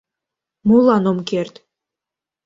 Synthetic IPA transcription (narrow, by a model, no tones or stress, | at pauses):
mulˠɑnomkert̪